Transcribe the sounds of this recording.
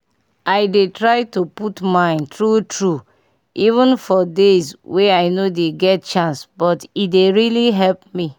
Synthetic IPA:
aɪdetɹaɪtuputmãɪ̃ntɹutʰɹu | ivə̃nfɔdezweaɪnodeɡɛt̚t͡ʃãnsbɔtideɹiliɦɛlp̚mi

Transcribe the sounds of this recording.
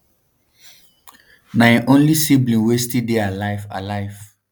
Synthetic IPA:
naɛ̃ʔõnlisiblĩnwestildealaɪva̰laɪv̥

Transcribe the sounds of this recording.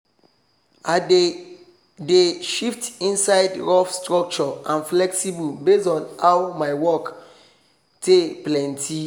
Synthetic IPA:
a | deʃiftĩnsaɪdɹɔfstɹɔk̚t͡ʃɔãnflɛksibubesɔ̃nawmajwɔk | teplɛ̃ntʰi

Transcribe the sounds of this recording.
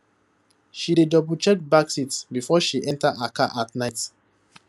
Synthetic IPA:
ʃidedɔbut͡ʃɛk̚baksitbifɔʃiʔɛ̃ntaʔakaʔatnaɪt

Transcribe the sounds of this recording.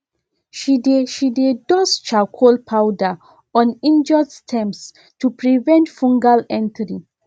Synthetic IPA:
ʃideʃidedɔst͡ʃakʰɔlpʰawda | ɔ̃nĩnd͡ʒɔdstʰɛ̃mps | tupɹivɛ̃ntfũŋɡalɛ̃ntɹi

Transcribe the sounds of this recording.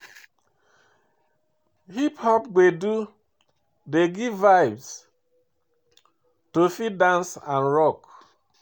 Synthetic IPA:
hiphɔpɡedu | deɡivːaɪbs | tofidãnsãnɹɔk

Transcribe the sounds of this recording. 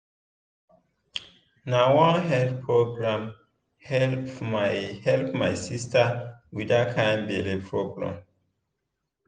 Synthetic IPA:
nawãnɦɛlpʰɹoɡɹãm | hɛlpmajhɛlpmajsistawidakʰãj̃nbelepʰɹoɡɹã̰m

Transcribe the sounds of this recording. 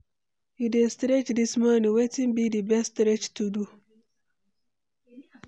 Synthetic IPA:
idestɾet͡ʃdismaniwetĩmbidibɛstɾet͡ʃtudu

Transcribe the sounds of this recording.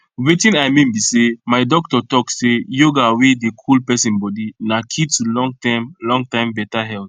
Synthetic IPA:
wetĩnajmĩnbisemaɪdɔk̚tɔtɔkssejoɡawedekʰulpɛsĩnbɔdinakʰitulɔ̃ŋɡtãmlɔ̃ŋɡtãɪ̃mbɛtaɦɛlt

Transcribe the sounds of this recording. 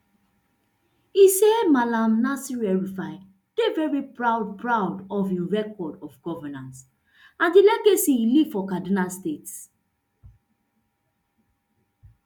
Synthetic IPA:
isɛmalãmnasiɹɛɹifaɪ | d̥evɛɹipɹaʊd̚pʰɹaʊdɔviɹɛkɔdɔfɡɔvɛnãns | ãndilɛɡesiliv̥fɔkadinalstets

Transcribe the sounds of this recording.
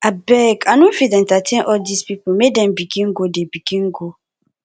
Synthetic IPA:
abɛkʰanʊ̃fidɛ̃n̩tatʰɛ̃nʔɔdispipʊmedɛ̃mbiɡĩŋ̩ɡodebiɡĩŋ̩ɡo

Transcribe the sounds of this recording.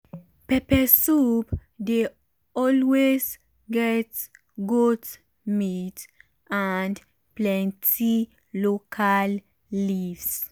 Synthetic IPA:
pɛpɛsupde | ɔlwez | ɡɛt | ɡut | mit | ʔand | plɛ̃ntʰi | lokʰalː | ivs

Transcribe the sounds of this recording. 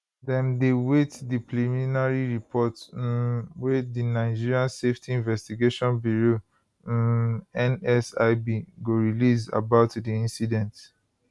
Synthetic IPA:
dɛ̃mdewetdiplimĩnaɹiɹipʰɔt | wedinaɪd͡ʒiɹiãnseftʰiĩnvɛstiɡeʃɔ̃nbjuɹõ | ɛ̃nɛsaɪbiɡoɹiliza̰baʊtdiĩnsidɛ̃nt

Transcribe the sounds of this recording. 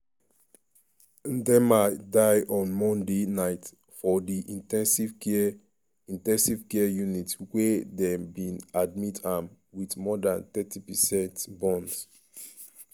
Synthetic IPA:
dɛmadaɪʔɔ̃nmɔ̃ndenaɪt | fɔdiʔĩtɛ̃nsiv | ĩntɛ̃nsivkɛjunitwedɛmbĩnad̚mitãm | wiðmɔdãnt̪ɛtʰipɛsɛ̃ntbɔ̃ns

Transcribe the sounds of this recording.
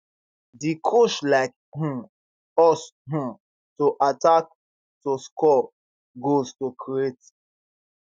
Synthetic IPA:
dikʰoʃlaɪk̚ | hũ | ɔshũ | tuʔatak̚ | tuskɔ | ɡoztukʰɹiet

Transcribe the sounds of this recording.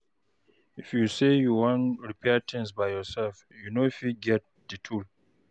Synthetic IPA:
ifjusejuwãnɹipʰɛtʰɛ̃nsbajjɔsɛlf | junoifiɡɛt̚dɨtʰul

